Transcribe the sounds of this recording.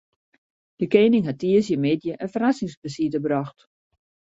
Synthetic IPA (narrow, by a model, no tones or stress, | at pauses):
d̥əkeːnɪŋɦatːiəsjəmedjəʔənfərasɪŋsbəsitəbrɔxt